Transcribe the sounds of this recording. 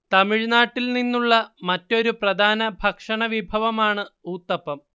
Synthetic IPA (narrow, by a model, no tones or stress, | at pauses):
t̪ɐmiɻnaːʈːilninːuɭːɐmɐtːo̞ɾuprɐd̪ʱaːnɐbʱɐkʂɐɳɐʋibʱɐʋɐmaːɳɨuːt̪ːɐpːɐm